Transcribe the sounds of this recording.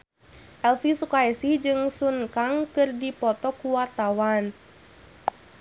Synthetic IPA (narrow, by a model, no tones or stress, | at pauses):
ʔɛlfisukaɛsihd͡ʒɨŋsunkaŋkɨrdipɔt̪ɔkuwart̪awan